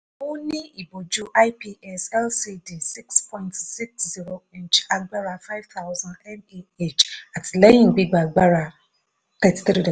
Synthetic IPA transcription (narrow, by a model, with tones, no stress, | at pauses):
ʊ˦nĩ˦i˨bo˨d͡ʒu˦ʔa˦ɪ˦pi˦ɛ˦sɛ˦lsi˦di˨si˦kspʰɔ̃˦ɪ̃ntsi˦kszi˦ɾo˨ĩ˦nt͡ʃa˦ɡ͡ba˦ɾa˨fa˦ɪ˦v̥t̪a˦ʊzã˦ndɛ˦ne˦e˦t͡ʃa˨tle˦jĩ˦ŋ̩˨bi˦ɡ͡ba˨ɡ͡ba˦ɾa˨ | t̪ɛ˦ti̥˦θɾi˦dɔ˨